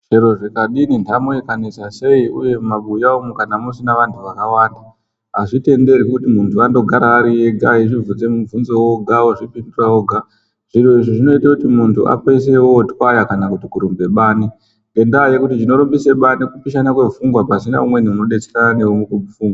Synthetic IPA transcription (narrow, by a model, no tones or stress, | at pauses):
ʐeɾo̞ʐekaɗinindʱamoikanesase̞iṵje̞mumaɓujaomukanamosinaʋantʰuʋakawaːnda | ɦaʐite̞nde̞rikutimuntʰuando̞ɡʱaɾaːɾije̞ɡʱaɦiʐivund͡ze̞muvunzowoɡʱawoʐipindurawoɡʱa | ʐ̥iroiʐoʐino̞itakutimuntʰuʔa̰peis̬e̞wotwajakanakutikuɾumbe̞ɓaːni | ŋɡe̞ndaje̞kutit͡ʃino̞ɾombise̞ɓanikupiʃanakwe̞fuŋɡwapasina̰umwe̞niuno̞ɗe̞t͡seɾananewumukumufuːŋɡwa